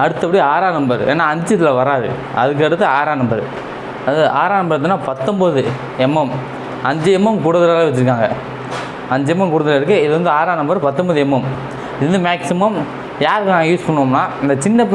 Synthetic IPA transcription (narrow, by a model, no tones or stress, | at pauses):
ɐɽɯt̪ːɐpːɐɽiaːɾaːnɐmbɐɾḛːnːaːɐɲd͡ʒɐt̪ːɪlɐʋɐɾaːɾɯ̰ | ɐðɯk̬ːɯɐɽɯt̪ːɯaːɾaːnɐmbɐɾɯ | ɐðɯʔaːɾaːnɐmbɐɾt̪̬ːɯnːaːpɐt̪ːɔmbɐðɯ | ɛmːɐm | ɐɲd͡ʒɯɛmːɐmkʊɽɐðɐlaːlɐʋɐt͡ʃːɪɾɯkːaːŋɡɐ | ɐɲd͡ʒɛmːɐmkʊɽɐðɐlɪɾɯk̬ːɯɪðɯʋɐnd̪ɯaːɾaːnɐmbɐɾpɐt̪ːɔmbɐðɯɛmːɐm | ɪðɯʋɐnd̪ɯmaːksɪmɐm | jaːɾɯkːnãːjuːspɐɳːoːmnaːɪnd̪ɐt͡ʃɪnːɐp